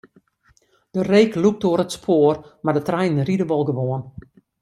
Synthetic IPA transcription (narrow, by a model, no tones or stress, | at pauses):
d̥əreːkluk̚toəɾətspʰoːərmadətrɛjnən̩ridəʋɔlˠɡəʋoən